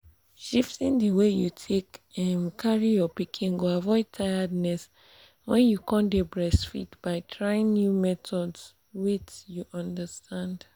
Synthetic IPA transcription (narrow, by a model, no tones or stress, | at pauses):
ʃiftĩndəwejutʰekãnkʰaɹijɔpikʰĩnɡoavɔɪd̚tʰajadnɛs | wɛ̃njukʰɔ̃ndebɹɛsfḭtb̥aɪtʰɹaĩnnjumɛtʰɔds | wit͡ʃjuʔɔ̃ndəstʰãnd